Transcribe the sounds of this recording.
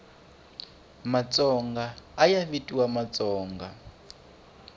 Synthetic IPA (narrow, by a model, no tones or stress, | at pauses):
mat͡sʼɔŋɡaːjavitʼiwamat͡sʼɔːŋɡa̰